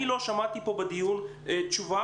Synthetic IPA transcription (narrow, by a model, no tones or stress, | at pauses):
ilo̞ʃamat̪ipo̞bed̪ijun | et͡ʃuva